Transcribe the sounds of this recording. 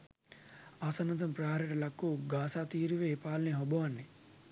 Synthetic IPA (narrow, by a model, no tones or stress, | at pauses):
asɐnːɐt̪ɐmpɾaɦaːɾiʈɐlɐkːuɡaːsaːt̪iːɾuʋeːpaːlneɦobɐʋɐnːe